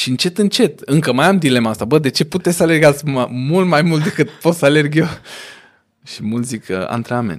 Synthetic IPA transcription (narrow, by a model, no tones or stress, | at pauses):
ʃiɨnt͡ʃe̞t̪ɨnt͡ʃe̞t̪ɨŋkəmajamd̪ile̞maast̪abəd̪e̞t͡ʃe̞put̪esale̞rɡat̪smamult̪majmult̪̚d̪e̞kɨt̪̚po̞t̪səalerɡe | ʃimult̪zikʰə̰a̰nt̪ɾeamḛnʲ